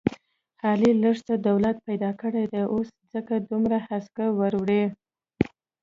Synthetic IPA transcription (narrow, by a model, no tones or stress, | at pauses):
hɑliləʐt̪ad̪awlat̪̚pajd̪ɑkəɽajd̪aʔoszəkad̪umɾahaskawaɾwɽe